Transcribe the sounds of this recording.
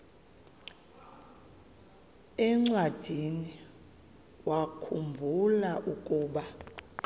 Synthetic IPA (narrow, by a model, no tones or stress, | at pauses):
ɛŋ͡ǀwad̥ʱini | wakʰumbʱulaʔukʼuːɓa